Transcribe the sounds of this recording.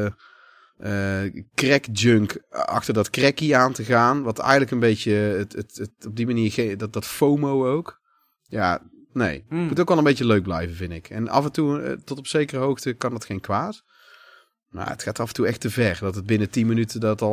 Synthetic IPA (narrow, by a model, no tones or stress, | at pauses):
əkrɛkd͡ʒɵŋkɑ̰xtəɹdɑtkrɛkiaːntəɣaːnʋɑntɛ̰jɣəndləkənbejtətətətɔb̚dimaniːɹɣeddɑtfowmowowk | ja̰ː | nḛjmutowkʋɛlˠəmbejcəløɥk̚blɛ̰jvənvɪndɪkɛ̰nɑ̰vəntutɔtɔpsejkərəɦowxtəkɑndɑtxejnkʋaːt | ma̰ːə̰txaːtɑfəntuɛxtəvɛrdɑtəd̚bɪnətinmənytədɑtɑ